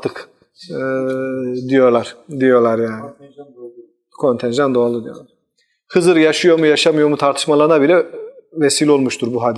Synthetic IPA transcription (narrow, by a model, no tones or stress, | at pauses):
at̪ʰɯk | d̪ijo̞lˠaɾ̥d̪ijo̞ɾlˠaɾjaːnɪ | kʰo̞nt̪ʰɛnʒand̪oalˠud̪ijolaɾ | hɯzɯɾjaʃɯjo̞ɾmujaʃamɯjo̞ɾmut̪ʰaɾt̪ʰɯ̥ʃmalˠaɾɯnabilʲɛvesiːlʲo̞lˠmuʃt̪ʰuɾbuɦad̪i